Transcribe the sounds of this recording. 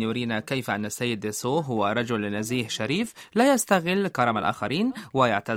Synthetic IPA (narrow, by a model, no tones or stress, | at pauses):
jʊɾiːnakajfʔanːasːajːɪd̪ɪsoːɦʊwaɾˤɑd͡ʒʊlːɪnaziːħʃaɾiːflaːjast̪aɣɪlːkɑɾˤɑmalʔa̰ːxɑɾiːnwɪjaʕt̪a